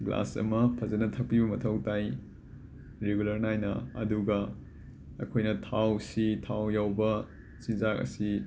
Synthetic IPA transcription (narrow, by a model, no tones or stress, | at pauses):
ɡla̰sɐ̰mɐpʰɐzɐnɐtʰɐp̚ibɐmɐtʰɐwtaj | ɾeɡulɐɾnajnɐɐ̰duɡɐ | ɐ̰kʰojnɐtʰawsitʰawjawbɐ | sizak̚ɐ̰si